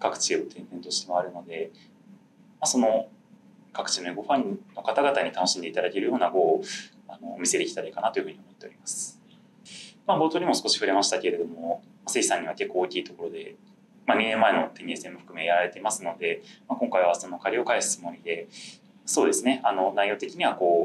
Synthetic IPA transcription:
kakɯ̟̥t͡ɕio̞t̪ʰẽ̞nd̪ẽ̞nt̪o̞ɕi̥t̪e̞mo̞aɾɯ̟no̞d̪e̞ | maso̞no̞ | kakɯ̟̥t͡ɕino̞eɡo̞ɸãɲnːo̞kat̪aɡat̪aɲ̟it̪ano̞ɕĩnd̪e̞it̪ad̪ake̞ɾɯjo̞ːnaɡo̞ː | ano̞̰ːmise̞d̪e̞kʲi̥t̪aɾaikanat̪o̞jɯ̟ɸɯ̟ɲ̟iomot̪ːe̞o̞ɾʲimasɨ̥ | mabo̞ːt̪o̞ːɲ̟imosɨ̥ko̞ɕi̥ɸɯ̟ɾe̞maɕi̥t̪ake̞ɾe̞d̪o̞mo | maseisãɲ̟ːiβ̞ake̞kːo̞ːkʲiːt̪o̞ko̞ɾo̞d̪e̞ | maɲ̟inẽ̞mːae̞no̞t̪e̞ɲ̟ie̞sɨe̞mɯɸɯ̟kɯ̟me̞ːjaɾaɾe̞t̪e̞masɨno̞d̪e̞makoŋkaiβ̞aso̞no̞kaɾʲio̞kaesɨ̥t͡sɨmo̞ɾʲid̪e̞ | so̞ːd̪e̞sɨne̞ano̞naijo̞ːt̪e̞kʲiɲ̟iβako̞ː

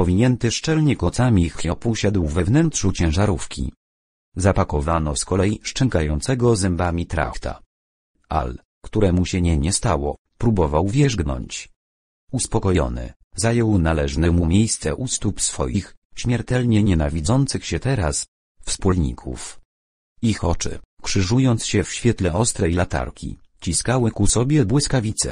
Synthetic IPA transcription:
pɔvʲiɲɛnt̪ɘʂt͡ʂɛlɲɛkɔt̪samʲixɔpuɕad̪wvɛvnɛntʂut͡ɕɛ̃w̃ʐaɾufkʲʰḭ | zapakɔvanɔskɔlɛjiʂt͡ʂɛŋkajɔnt̪sɛɡɔzɛmbamʲit̪ɾa̰xt̪ʰa̰ | a̰l | kt̪uɾɛmuɕɛɲɛɲɛst̪awɔ̰ | pɾubɔvawvʲjɛʐɡnɔ̰ɲt͡ɕ | uspɔkɔjɔ̰nɘ̰ | zajɔwnalɛʐnɛmumʲjejst̪sɛʔust̪upsfɔ̰jixɕmʲjɛɾt̪ɛlɲɛɲɛnavʲid̪zɔnt̪sɘxɕɛt̪ɛɾa̰s | fspulɲḭkʰṵf | ixɔt͡ʂɘ̰kʂɘʐujɔnt̪sɕɛfɕfʲjɛt̪lɛʔɔst̪ɾɛjlat̪a̰ɾkʲʰḭ | t͡ɕiskawɘkusɔbʲjɛbwɘskavʲit̪sɛ̰

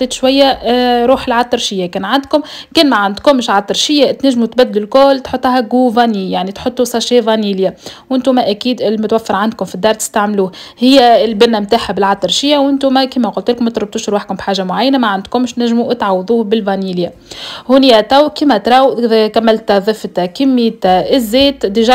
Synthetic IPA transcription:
t̪ːeːt̪ʃwæjːæɾˤuːħɪlʕɑt̪ːˤɨɾˤʃɪjːækɛːnʕand̪kʊmkɛːnmæʕand̪kʊmːɪʃʕat̪ˤːɑɾʃɪjːæt̪næʒːmut̪bæd̪ːɪlɪlkoːlt̪ħot̪ˤːɦæɡuvɑnijaʕnit̪ħot̪ˤːusˤɑʃeːvɑniːljawʔɪnt̪umæʔækiːd̪ɪlmʊt̪wæfːɪɾʕand̪̚kʊmfid̪ːɑːɾˤt̪ɪ̥st̪aʕmluːhhɪjːæɪlbɪnːæmt̪aːħabɪlʕɑt̪ˤːɑɾˤʃɪjːawʔɪnt̪umkiːmæqʊlt̪ɪlkʊmt̪ɾʊb̚t̪ʊʃɾwaħkʊmbħaːʒamʊʕajːnamaʕand̪kʊmːɪʃt̪næʒːmuʔt̪ʕɑwːðˤuːbɪlvɑniːlja | hunjæt̪æwkiːmæt̪ɾˤɑwkæmːælt̪ðˤɨft̪kɪmːiːt̪ɪzːeːt̪d̪iʒ

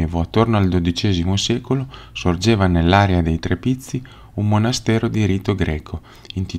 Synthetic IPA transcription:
eːvoat̪ːornoald̪od̪it͡ʃɛːzimosɛːkolosord͡ʒeːvanelːaːɾead̪ejt̪ɾepit̪sːi | umːonast̪ɛːɾod̪iɾiːt̪oɡɾɛːkʰo | int̪i

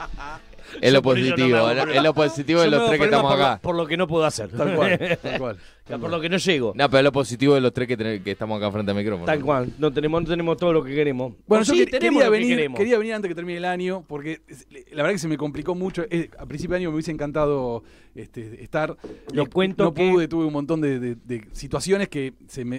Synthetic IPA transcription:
elloposit̪iβonoeloposit̪iβoðelotɾɾeket̪amosakapoɾlokeno̞p̬weðoasḛɾtt̪alkwalt̪alkwal | apoɾlokenoʃeɣonopeɾoeloposit̪iβoðelost̪ɾeket̪ekeht̪amosakafɾent̪eamikɾofonalkwalnot̪enemonot̪ene̞mot̪oðolokekeɾemosbwenoʒoet̪enemɾioaβeiɾemkeɾiaβe̞niɾant̪eket̪eɾminelanjopoɾkeslaβeɾðakes̬emeko̞mpliko̞mut͡ʃoʔea̰pɾinsipjjaɲjomeuβjis̬eŋkant̪aðo | eht̪eːht̪aɾnokwent̪onop̬uðet̪uβeunmont̪̬o̞nd̪eðed̪esit̪wasjo̞neske | seme

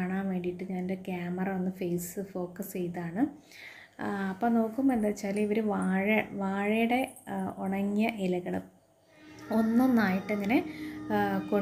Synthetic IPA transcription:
aːɳaːʋe̞ːɳɖijiʈːɨɲaːnnde̞kjaːmɐrɐɐnːɨfe̞ːsɨfo̞ːkːɐst͡ɕe̞jt̪aːɳɨ | ɐpːoːno̞ːkːumend̪ɐt͡ɕːaːliʋɐɾuʋaːɻɐʋaːɻɐjuɽe̞uɳɐŋːijɐʔilɐɣɐɭɨ | o̞nːonːaːjiʈːeŋːɐne̞ | ko

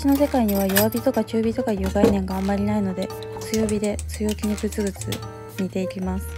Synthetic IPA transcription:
ɕino̞se̞kaiɲ̟iβ̞ajoβabʲit̪o̞kat͡ɕɨːbʲit̪o̞kajɯːɡainẽ̞ŋɡaːmːaɾʲinaino̞d̪e̞ | t͡sɨjo̞ːbʲid̪e̞t͡sɨjo̞ːkʲiɲ̟ibɯ̟t͡sɨbɯ̟t͡sɨ̰ | ɲ̟it̪e̞ikʲimasɨ̥

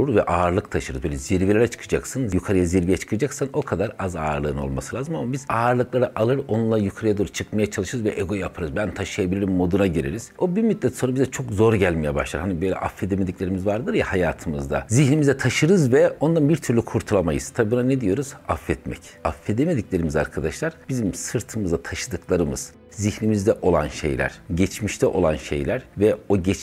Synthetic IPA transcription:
uɾvɛ̰ʔaːɾlˠɯk̚t̪ʰaʃɯɾɯzbøːlʲɛziɾvilʲeɾɛt͡ʃʰɯ̥kʰɯd͡ʒaksɯnjukʰaɾɯjaziɾvijɛt͡ʃʰɯ̥kʰɯd͡ʒaksano̞kʰad̪aɾaza̰ːɾlˠɯːno̞̰lˠmasɯlʲaːzɯmamabiz̥aːɾlˠɯklˠaɾaʔalˠɯɾo̞nunlˠaajukʰaɾɯjad̪uɾuɾt͡ʃʰɯkmajat͡ʃʰalˠɯʃɯɾɯzvɛ̰ʔeɡo̞japʰɯɾɯzbænt̪ʰaʃɯjabilʲiɾimːo̞d̪unaɟiɾḭɾiz̥o̞bimit̪lʲɛt̪soɾabizɛt͡ʃʰo̞kzo̞ɾɟælʲmijɛba̰ʃlˠaɾhanibøjlʲɛ̰ʔafːed̪emed̪icʲlʲe̞ɾimizvaɾd̪ɯɾjahajaːt̪ʰɯmɯzd̪a̰ziçnimizd̪ɛt̪ʰaʃɯɾɯzvɛo̞nd̪anbiɾt̪ʰyɾlʲykʰuɾt̪ʰulˠamajɯ̰z̥t̪ʰabiːbunaned̪ijo̞ɾuz̥afːɛt̪mɛ̰c | afːed̪emed̪iclʲe̞ɾimiza̰ɾkʰad̪aʃlˠaɾb̥izimsɯɾt̪ʰɯmɯzat̪ʰaʃɯd̪ɯklˠaɾɯmɯ̰z̥ | zihnimizd̪ɛʔo̞lˠa̰nʃḛjlʲæ̰ɾ̥ɟɛt͡ʃmiʃt̪ʰɛʔo̞lˠanʃḛjlʲæɾvɛo̞ɟɛt͡ʃ

